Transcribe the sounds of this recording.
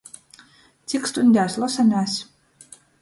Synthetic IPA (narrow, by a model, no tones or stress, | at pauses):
t̪sʲikst̪unʲd̪ʲaːsʲlˠɔsanʲaːsʲ